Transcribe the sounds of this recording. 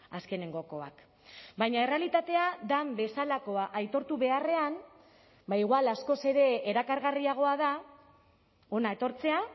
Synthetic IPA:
aske̞ne̞ŋɡo̞ko̞a̰k | bajɲae̞realit̪at̪e̞ad̪ambe̞salako̞aʔajt̪o̞ɾt̪uβe̞are̞an | baiɣwalasko̞se̞ɾe̞ːɾakaɾɣariaɣ̞o̞aða | o̞nae̞t̪o̞ɾt͡se̞a

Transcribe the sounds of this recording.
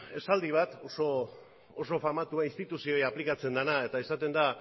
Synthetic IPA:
e̞sald̪iβ̞at̪o̞so̞ː | so̞famat̪uainst̪it̪usio̞japlikat͡se̞nd̪anae̞t̪aesat̪e̞nd̪a

